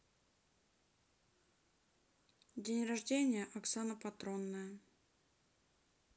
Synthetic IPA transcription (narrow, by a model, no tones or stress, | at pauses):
dʲenʲrɐʐdʲenʲɪjəʔɐksanəpɐt̪ɾonːəjə